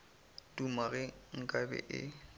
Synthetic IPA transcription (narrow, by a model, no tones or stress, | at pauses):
tʼumaɣɛŋ̩kʼabɛ̰ʔɪ̰